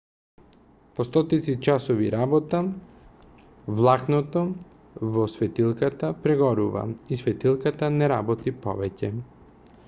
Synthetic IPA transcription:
pɔst̪ɔt̪it̪sit͡ʃasɔviɾabɔt̪a | vlˠaknɔt̪ɔ | vɔsvɛt̪ilˠkat̪apɾɛɡɔɾuva̰isvɛt̪ilˠkat̪anɛɾabɔt̪ipɔ̰vɛcɛ

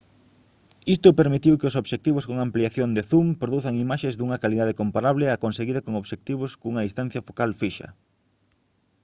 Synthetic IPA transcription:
ist̪ʊpeɾmit̪iwkeosoβʃek̚t̪iβʊskoŋampliaθjond̪eθumpɾoðuθaŋimaʃezd̪uŋɐkaliðað̞ekompaɾaβlɪakonseɣiðɐkoŋoβʃek̚t̪iβ̞ʊskuŋɐðist̪an̟θjɐfokalfiʃɐ̰

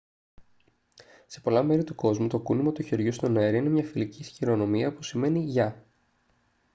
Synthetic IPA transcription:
se̞po̞lɐme̞ɾit̪uko̞zmut̪o̞kunimot̪uçeɾʝust̪o̞neɾiine̞mɲɐfilicisçiɾo̞no̞miɐpusime̞niʝɐ

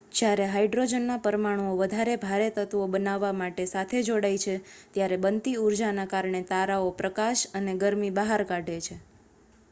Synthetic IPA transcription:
d͡ʒjaɾeɦajɖɾod͡ʒənːapəɾmaɽ̃uoʋəd̪ʱaɾebʱaɾet̪ət̪ʋobənaʋːamaʈesat̪ʰed͡ʒoɽajt͡ʃʰet̪jaɾebənt̪iuɾd͡ʒanakaɾɳet̪aɾaopɾəkaʃəneɡəɾmibaɦaɾkaɖʱet͡ʃʰe

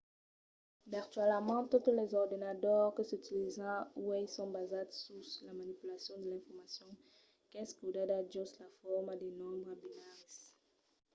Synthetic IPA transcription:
biʁt̪ɛləmɑ̃t̪ut̪lɛzɔʁd̪ɔnat̪œʁkəsyt̪ilizɑ̃uɛlsɔ̃bazad̪suslamanipylasjɔ̃d̪əlɛ̃fɔʁmasjɔ̃ | kɛskəud̪ad̪ad͡ʒɔslafɔʁmad̪ɛnɔ̃bʁabinaʁis

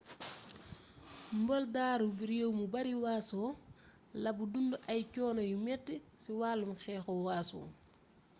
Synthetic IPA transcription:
mbɔldaːɾubiɾjowmubɐɾiwaːsɔː | lɐbudunduʔɐjcɔːnɐjumɛtːisiwaːlːumxɛːxɔwaːsɔ̰ː

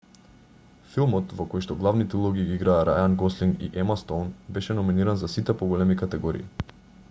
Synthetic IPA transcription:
filˠmɔt̪vɔkɔjʃt̪ɔɡlˠavnit̪ɛulˠɔɡiɡiiɡɾaːɾʔa̰janɡɔsliŋɡḭʔɛmast̪ɔnbɛʃɛnɔminiɾanzasit̪ɛpɔɡɔlɛmikat̪ɛɡɔɾḭḭ

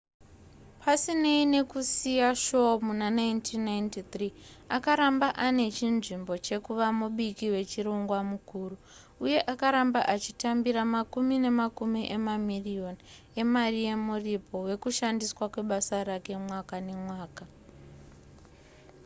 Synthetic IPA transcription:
pʰasineine̞kusijaʃomunanajntʰinːajntit̪riakaɾambaʔane̞t͡ʃinʐimbo̞t͡ʃe̞kuʋamuɓikiwe̞t͡ʃiɾo̞ŋɡwamukuːru | uje̞ʔakaɾambaʔat͡ʃitambiɾamakumine̞makumiʔe̞mamirio̞ni | e̞marije̞muripo̞we̞kuʃandiswakwe̞ɓasaɾake̞mwakane̞mwaːka

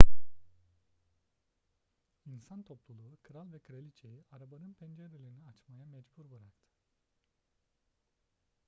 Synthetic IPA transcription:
insant̪ʰo̞plˠulˠuːkʰɯɾalˠvɛkʰɯɾalʲit͡ʃʰejiʔaɾabanɯnpʰɛnd͡ʒeɾelʲeɾiniat͡ʃmajamɛd͡ʒbuɾbɯɾaɾt̪ʰɯ̥

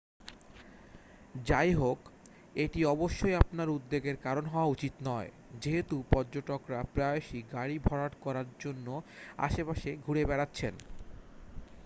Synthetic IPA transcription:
d͡ʑajɦok | eʈiɔboʃːojapnaɾud̪ːeɡeɾkaɾonɦɔoaut͡ɕit̪nɔe | d͡ʑeɦet̪upɔɾd͡ʑoʈokɾapɾaoʃiɡaɽibʱɔɽaʈkɔɾaɾd͡ʑonːoa̰ʃepaʃeɡʱuɽebɛɽatːɕʰen

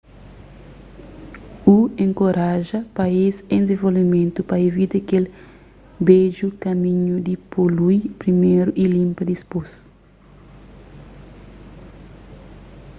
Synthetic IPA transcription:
uẽŋkoɾaʒɐpɐizẽnzẽvolvimẽnt̪upɐevit̪ekel | beʒukɐmĩɲud̪ipolujpɾimeɾuʔilĩmpɐd̪ispos

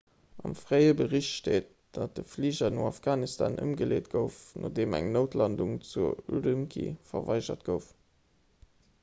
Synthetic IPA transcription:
ɑmfʁ̥æɪəbəʁiɕtʃteːt̚ | d̥ɑt̚d̥əfliːʑɐnoːɑfɡ̥aːnistʰa̰ːnʔə̰mɡəleːtɡ̥əʊfnʔodeːmæ̰ŋnəʊtʰlɑnduŋt͡suulymkʰḭfɐvɑɪʒɐtɡ̥əʊf

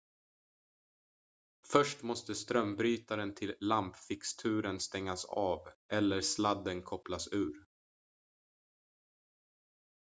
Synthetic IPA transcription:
fœʂʈmɔst̪əst̪ɾœmbɾyːt̪aɾənt̪ʰɪlːampfɪkst̪ʰʉ̟ːɾənst̪ɛŋːasɑ̰ːvʔɛlːəɾslad̪ːənkʰɔplasʉ̟ːɾ

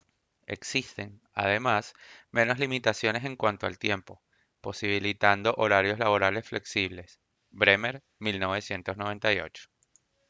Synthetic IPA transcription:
e̞̰ksist̪e̞ŋ | a̰ð̞e̞masmʔẽ̞no̞slimit̪asjo̞ne̞se̞ŋkwant̪oa̰lt̪je̞mpo̞ | po̞siβ̞ilit̪and̪o̞ʔoɾaɾjo̞szlaβo̞ɾale̞sfle̞ksiβle̞s | bɾemeɾ | milno̞β̞e̞sje̞nt̪o̞sno̞βe̞nt̪ajo̞̰t͡ʃo̥

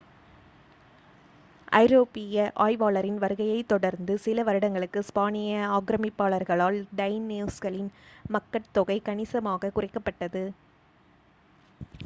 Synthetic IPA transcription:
ʔɐ̰ɪɾoːpɪjɐʔaːjʋaːlɐɾɪnʋɐɾɯɣɐjɐɪt̪ːɔɽɐɾnd̪ɯsɪlɐʋɐɾɯɽɐŋɡɐɭɯkːɯspaːnɪjɐaːɡɾɐmɪpːaːɭɐɾɣɐɭaːlɖɐɪnːiʊskɐɭɪnmɐkːɐʈt̪ːɔɣɐɪkɐnɪsɐmaːɣɐkʊrɪkːɐpːɐʈːɐðɯ

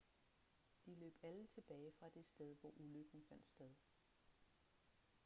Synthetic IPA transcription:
d̥ilø̰ːb̥ælət͡sʰe̝b̥ɛːɪfʁɑ̈d̥e̝sd̥eð̞ˠʋɒʔuløɡ̥n̩fæn̰d̥sd̥eð̞ˠ

